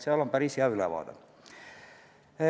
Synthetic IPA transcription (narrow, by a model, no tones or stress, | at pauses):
siælompærisiɑylæʋ̰ɑ̰t̪ɑ̰